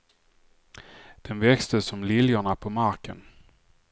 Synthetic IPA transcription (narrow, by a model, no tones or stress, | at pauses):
d̪̥ɛnvɛkst̪əsɔmlɪljaɳapʰɔmaɾkə̰n